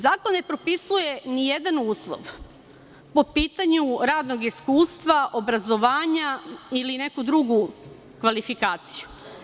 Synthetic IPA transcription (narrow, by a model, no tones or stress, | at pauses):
zaːkonne̞pɾo̞pisuje̞nijed̪anuːslˠo̰ʋ | po̞piːt̪aɲuɾaːd̪no̞ɡiskuːst̪ʋaʔo̞bɾazo̞ʋaːɲailine̞kud̪ɾuɡu | kʋalifikaːt̪siju